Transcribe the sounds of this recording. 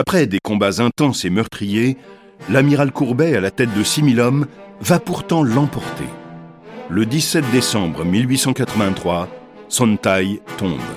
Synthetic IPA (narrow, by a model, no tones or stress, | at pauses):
apχɛd̪ekɔ̃bazɛ̃t̪ɑ̃semœʁt̪χije | lamiʁalkuʁbɛalat̪ɛt̪̚d̪əsimilɔmvapuʁt̪ɑ̃lɑ̃pɔʁt̪ḛ | ləd̪isɛt̪̚d̪esɑ̃bʁmilɥisɑ̃kat̪χəvɛ̃t̪χwa | sɔ̃nt̪ajt̪ɔ̃b